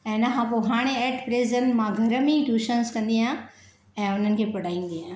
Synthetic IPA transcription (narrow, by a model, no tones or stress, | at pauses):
ɛ̃ːnɐkʰãpoɦaːɽ̃eɛːʈpɾeːzənmãɡʱɐɾəmẽʈuːʃənskɐ̃nd̪iã | ɛ̃ːʊn̤ənɪ̆kʰeːpɐɽ̤aːĩːn̆d̪iɦãː